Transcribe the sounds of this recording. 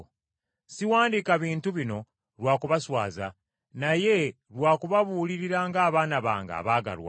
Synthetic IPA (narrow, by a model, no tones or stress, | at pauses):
siwaːndikaβiːntuβino̞ | lwaːkuβaswa̰ːza | naje̞ | lwaːkuβaβuːliɾiɾaːŋɡaːβaːnaβa̰ːŋɡa̰ːβaːɡa̰lwa̰